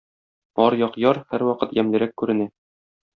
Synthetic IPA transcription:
ɒɾjɒqjɒɾhæɾwɒqɤt̪jæmlɘ̆ɾækːʉɾɘ̆næ

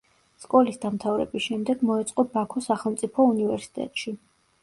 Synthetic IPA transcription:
skʼɔlisd̪amt̪ʰavɾɛ̰bisʃɛmd̪ɛɡmɔɛt̪sʼqʼɔbakʰɔsaχɛlˠmt̪sʼipʰɔunivɛɾsi̥t̪ʼɛ̰t̪ʼʃi

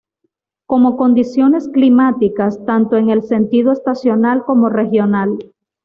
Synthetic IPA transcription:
ko̞mo̞ko̞nd̪isjo̞ne̞sklimat̪ikast̪ant̪o̞e̞ŋe̞lse̞nt̪iðoe̞st̪asjo̞nalko̞mo̞re̞xjo̞nal

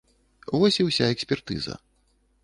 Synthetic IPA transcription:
vɔsʲiwsʲaɛksʲpʲɛrt̪ɨ̰zɐ̰

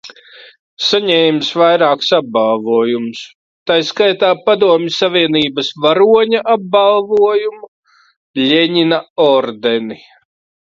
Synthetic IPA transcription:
saɲɛːjmsvajɾaːksab̚balˠvuɔjums | t̪ajskajt̪aːpad̪uɔmʲisːaviɛniːbɐsvaɾuɔɲaʔab̚balˠvuɔjumu | lʲeɲinaɔɾd̪ɛni

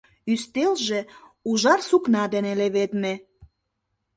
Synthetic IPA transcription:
yst̪elʒe | uʒɑrsuknɑd̪eneleβet̪me

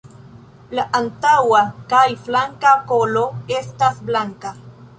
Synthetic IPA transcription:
laʔantawakajflaŋkakolo̞e̞stasblaŋka

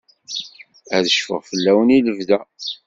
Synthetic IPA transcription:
æðəʃfəʁfəlːæwəniləvðæ

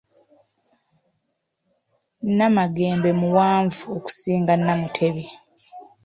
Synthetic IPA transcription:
nːamaɡeːmbe̞muwaːɱvuoku̥siːŋɡanːamutʰe̞βi

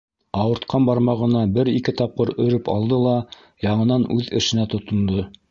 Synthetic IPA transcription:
ɑwɤ̆ɾt̪̚qʰɑmbɑɾmɑʁɤ̆nɑbɘɾikɘt̪ɑp̚qɤɾɵ̆ɾɘpɑ̰lˠd̪ɤlˠɑ | jɑɴɤ̆nɑnʉðɘ̆ʃɘ̆næt̪ŏt̪ŏnd̪ɤ

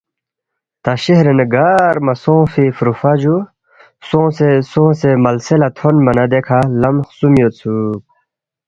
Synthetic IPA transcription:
t̪aɕeɦɾenəɡaːɾmɐsõːfifɾufad͡ʑu | sõːsesõːsemɐlselat̪ʰonmɐnad̪ekʰalɐmxsumjot͡sʰuk̚

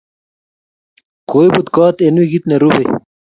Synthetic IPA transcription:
koibud̪kɑːt̪enwiɡit̪neɾube

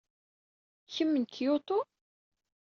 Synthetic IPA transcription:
çəmːənkjot̪ˤo

